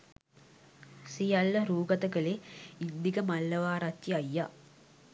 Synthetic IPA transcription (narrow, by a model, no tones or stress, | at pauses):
sijalːəɾuːɡɐt̪əkəleind̪ikəmalːɐʋaːɾat̪jiɐjːa